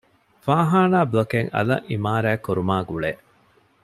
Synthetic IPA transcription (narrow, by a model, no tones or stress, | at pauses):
faːɦaːnaːbɐkeŋɐ̰lɐ̰ʔimaːɾæːkoɾumaːɡuɭeː